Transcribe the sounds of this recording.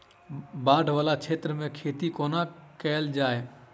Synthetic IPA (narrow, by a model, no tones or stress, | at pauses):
baːɖʱʋaːlat͡ʃʰeːt̪ɾəmẽkʰeːt̪ikoːnakɛːld͡ʒaːe